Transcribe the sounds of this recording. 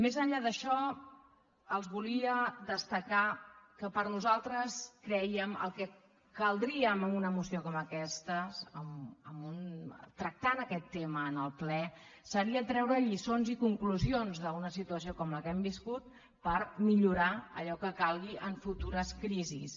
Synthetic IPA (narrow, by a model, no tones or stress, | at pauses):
mezəɲʎaðəʃɔ | əlˠzβuliəd̪əst̪əkakəpəɾnuzalˠt̪ɾəskɾɛjəmə̰lˠkɛ | kəlˠd̪ɾiəməmunəmusiokɔməkɛst̪əzəmə̰munt̪ɾək̚t̪anəkɛt̪ːeməːnəlˠplɛ | səɾiət̪ɾɛwɾəʎisonzikuŋkluzionzðəunəsit̪uəsiokɔmləkɛmbiskut̪̚ | pəɾmiʎuɾaə̰ʎɔkəkalˠɣiʔəɱfut̪uɾəskɾizḭs